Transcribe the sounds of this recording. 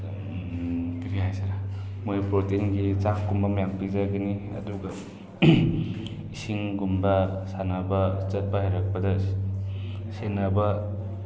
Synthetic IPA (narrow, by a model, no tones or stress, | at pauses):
kiɾiɦajsaɾamojpɾotenɡit͡ʃaŋkːumbamjaŋpizaɡaniɐ̰duɡa | isiŋɡumbasanabat͡ʃɐt̚pahajɾak̚pɐdɐs | senaba